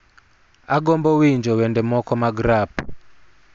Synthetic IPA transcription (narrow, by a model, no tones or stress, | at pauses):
aɡɔmbɔwiɲd͡ʒɔwɛndɛmɔkɔmaɡɾap